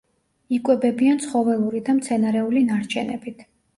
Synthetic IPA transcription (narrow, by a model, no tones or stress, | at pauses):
ikʼwɛbɛbiant̪sʰχɔvɛlˠuɾid̪amt̪sʰɛnaɾɛulinaɾt͡ʃʰɛ̰nɛ̰bit̪ʰ